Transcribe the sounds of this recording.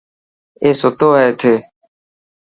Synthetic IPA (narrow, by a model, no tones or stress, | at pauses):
eːsʊt̪oːɦɛːt̪ʰeː